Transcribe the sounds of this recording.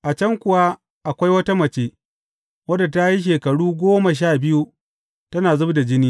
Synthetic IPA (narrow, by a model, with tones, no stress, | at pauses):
ʔa˨t͡ʃɐ˦ŋkʷʊ˨wa˦ | ʔa˨kʷa˦jwɐ˦ta˦mɐ˨t͡ʃeː˦ | wɐ˦da˨ta˦ji˦ʃ̬eː˨kɐ˨ɽuː˦ɡʷoː˦ma˨ʃ̬aː˦˨bɪ˦ju˦ | tɐ˦naː˨zʊ˦bda˨d͡ʒɪ˦niː˦